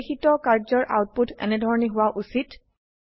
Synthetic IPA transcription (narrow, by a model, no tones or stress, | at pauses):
xitɔkaɹzɔɹʔa̰wt̚putʰɛ̰nɛdʱɔɹɔniɦʊwaʔusit